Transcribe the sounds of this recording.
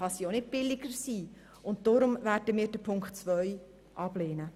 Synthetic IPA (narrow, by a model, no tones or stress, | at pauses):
ɑsionɪt̚b̥ɪlɪɡəɾsiː | ʊnt̚d̥ɔɾʊmvæːɾdəmiːɾd̥əpʰʊŋktt͡sʋœʏ | ʔɑb̥leːnə